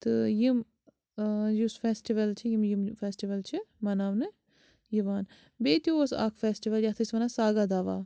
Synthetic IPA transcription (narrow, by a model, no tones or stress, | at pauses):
t̪ɨjim | jusfeːsʈiʋɐlt͡ʃʰijimjimfeːsʈiʋɐlt͡ʃʰimɐnaːwnɨ | jiʋaːn | beːt̪joɐsa̰ːkʰfeːsʈiʋɐljat̪ʰɐisʋɐnasaːɡad̪aːʋa̰ː